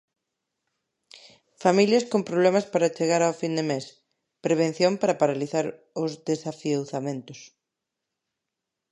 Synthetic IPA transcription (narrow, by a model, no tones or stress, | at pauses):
familjɐskompɾoβlɛmɐspaɾɐt͡ʃeɣaɾawfind̪emes | pɾeβ̞ẽn̟θjompaɾɐpaɾaliθaɾ | ʊzðesafiowθamẽnt̪ʊs